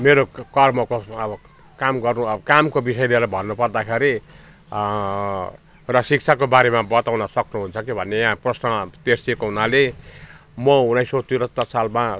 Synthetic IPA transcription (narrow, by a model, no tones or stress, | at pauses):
meɾokʌrmʌkoʌbʌ | kamɡʌrnukamkobisʌjleeɾʌbʱʌnːupʌrd̪akʰeɾi | rʌsik̚t͡sʰakobaɾemabʌt̪awnʌsʌknuɦunt͡sʰʌkibʱʌnːejãprʌsnʌt̪eɾsiekoɦunale | mʌunajsot̪iɾʌt̪ːʌrsalma